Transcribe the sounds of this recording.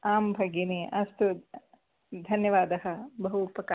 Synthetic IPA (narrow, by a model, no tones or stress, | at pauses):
aːmbʱɐɡjineːʔɐst̪u | d̪ʱɐnjɐʋaːd̪ɐɦɐbɐɦupːɐkː